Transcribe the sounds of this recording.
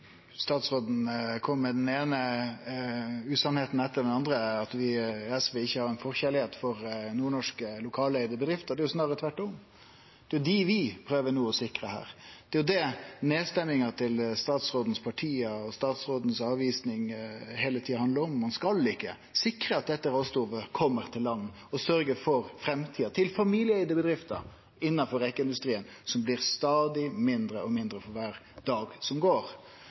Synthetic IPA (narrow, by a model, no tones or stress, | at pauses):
st̪ɑːt̪sʁoːd̪n̩kʰɔmːəːəd̪ɛneːnə | ʉːsɑnheːt̪n̩ɛt̪ːəɖ̪ɛnɑnd̪ɾəɑt̪ʋɪɛsʋeːɪçːəhɑɾɛnfɔʁçɛlɪheːt̪fɔɾnuːɳɔʂkəlʊkʰɑːleɪd̪əbəd̪ɾɪft̪ɔd̪ɛjʊsnɑːɾət̪ʰʋæʈːɔm | d̪̥ɛjʊd̪ɪʋɪpʰɾøːʋənuːɔsɪkɾəhæ̰ːɾd̪̥ɛjʊd̪ɛneːst̪ɛmːɪŋɑt̪ʰɪlst̪ɑːt̪sɾoːd̪n̩spʰɑʈʰiːəɔst̪ɑːt̪sɾoːd̪n̩sɑːʋiːsnɪŋɦeːlət̪ʰiːhɑnd̪əɾɔmːɑnskɑlɪkːə | sɪkɾəɑt̪̚d̪ɛt̪ːəɾost̪uːʋəkʰɔmːəɾt̪ʰɪlːɑnː | ɔsœɾɡəfɔɾfɾɛmt̪ʰiːɑt̪ʰɪlfɑmiːlɪəɛɪd̪əbəd̪ɾɪft̪ə̰ | ɪnːɑnfɔɾɛkːəɪnd̪ʉst̪ɾiːən | sɔmblɪɾst̪ɑːd̪ɪmɪnd̪ɾəɔmɪnd̪ɾəfɔɾʋæːɾ | d̪ɑːɡsɔmɡoːɾ